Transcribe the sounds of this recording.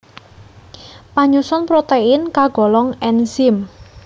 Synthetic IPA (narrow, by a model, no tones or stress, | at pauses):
paɲusɔnpɾot̪eɪnkaɡ̥ɔ̤lɔŋɛnsɪm